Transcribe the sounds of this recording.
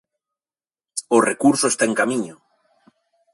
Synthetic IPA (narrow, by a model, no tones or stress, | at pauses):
orekuɾsoest̪aeŋkamiɲo